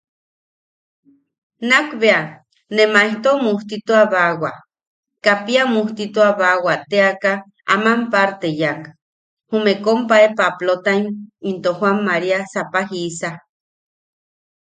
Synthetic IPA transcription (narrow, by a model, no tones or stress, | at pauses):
nakbea | nemaiht̪omuht̪it̪uaβawa | kapiamuht̪it̪uaβawat̪eaka | a̰mampaɾt̪ejak | humekompaepaplot̪aimint̪ohwamːaɾiasapaɦisa